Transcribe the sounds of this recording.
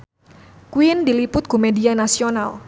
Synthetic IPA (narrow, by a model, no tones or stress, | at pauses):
kuindilipʊt̪̚kumedianasional